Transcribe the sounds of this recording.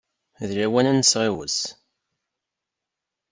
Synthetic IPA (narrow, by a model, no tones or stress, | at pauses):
ðɾæwænænəsʁewə̰s